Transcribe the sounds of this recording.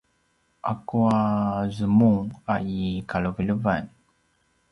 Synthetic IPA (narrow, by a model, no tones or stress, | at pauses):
a̰kuazɨmuŋaikaloviluvan